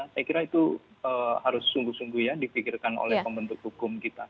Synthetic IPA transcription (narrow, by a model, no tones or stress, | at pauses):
nahsajkiɾait̪u | əhaɾʊsuŋɡuhsuŋɡuhjadifikɪrkano̰lɛhpəmbənt̪ʊk̚hukʊmkit̪a